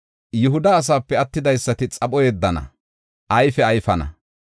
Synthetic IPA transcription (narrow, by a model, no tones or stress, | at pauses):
jʊɦʊd̪ɐːs̬aːpːɛɐt̪ːɪd̪ɐjsːɐt̪ɪt͡sʼɐɓɔjɛd̪ːɐnɐ̰ | ʔɐjfɛɐjfɐnɐ̰